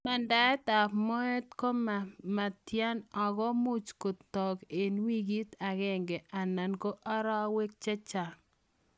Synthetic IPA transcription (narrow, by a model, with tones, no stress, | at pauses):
ma˨nda˦ɛ˦t̪a˨pmo˦e˦t̪ko˦ma˨ma˨tja˦na˨ɡɔ˦mʊ˦t͡ʃko˨t̪ːɔ˨ɡe˨nwi˦ɡi˦t̪a˨ɡɛ˦˨ŋɡɛ˨ʔa˨na˨nko˦ʔa˦ɾa˦we˦k̚t͡ʃɛ˦t͡ʃa˨